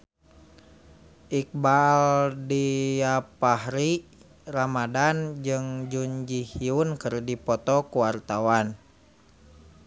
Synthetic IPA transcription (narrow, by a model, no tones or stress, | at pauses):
ʔik̚baldiapahɾi | ramadand͡ʒɨŋd͡ʒuɲd͡ʒihiunkɨrdipɔt̪ɔkuwart̪awan